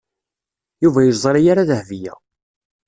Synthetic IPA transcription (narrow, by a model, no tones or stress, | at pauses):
juvæjəzˤɾijaɾaðəhvijæ̰